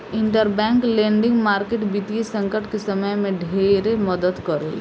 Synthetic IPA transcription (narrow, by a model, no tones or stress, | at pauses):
ɪ̃ɳʈəɾbɛ̃ːŋklẽːɳɖɪ̃ŋɡmaːɾkeːʈbit̪iesɐ̃ŋkəʈkesɐməjmẽɖʱeːɾeməd̪əd̪kɐɾḛl